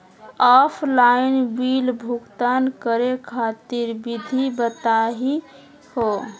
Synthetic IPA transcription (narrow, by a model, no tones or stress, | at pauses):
apʰlainbilbʱuɡt̪ankəɾekʰat̪iɾbid̪ʱibət̪aɦi | ho